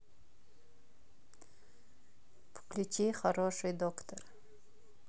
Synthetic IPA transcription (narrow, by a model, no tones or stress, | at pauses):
pʰklʲut͡ʃeχaɾoʂɨjd̪okt̪ʰor